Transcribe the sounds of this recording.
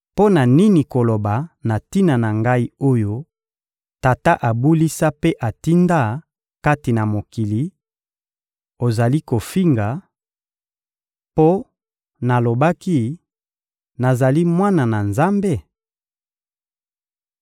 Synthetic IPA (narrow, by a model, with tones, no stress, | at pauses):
po˦na˨ni˦ni˨ko˨lo˨ba˨na˨ti˦na˨na˨ŋɡa˦i˦o˦jo˦ | ta˨ta˦ʔa˨bu˦li˦sa˦pe˦ʔa˨ti˦nda˦ | ka˦ti˨na˨mo˨ki˨li˨˦ | o˨za˨li˦ko˨fi˦ŋɡa˨ | po˦ | na˨lo˨ba˦ki˦ | na˨za˨li˦mwa˦na˨na˨nza˦mbe˦˨